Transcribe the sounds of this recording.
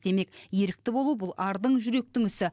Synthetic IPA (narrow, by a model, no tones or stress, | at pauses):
d̪̥e̞me̞kje̞ɾɪk̚t̪ɪbo̞lˠubʊlˠʔɑɾd̪əɴʒʏɾe̞k̚t̪ɪŋʏsɪ